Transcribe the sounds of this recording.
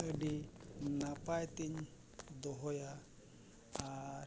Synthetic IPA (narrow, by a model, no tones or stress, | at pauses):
əɖinapajt̪in | d̪ɔɦɔja | a